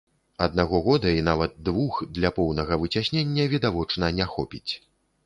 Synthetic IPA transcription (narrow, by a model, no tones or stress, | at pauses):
ɐd̪̚naɣɔɣɔd̪ɐinavɐt̪̚d̪vuxd̪lʲɐpɔwnɐɣɐvɨt͡sʲasʲnʲenʲːɐvʲid̪avɔt͡ʂnɐnʲaxɔpʲit͡sʲ